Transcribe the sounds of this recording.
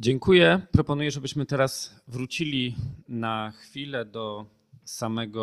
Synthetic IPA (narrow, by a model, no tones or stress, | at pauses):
d͡ʑɛŋkujɛpɾɔpɔnujɛʐɛbɘɕmɘt̪ɛɾas | vɾut͡ɕilʲinaxfʲilɛd̪ɔ | samɛɡɔ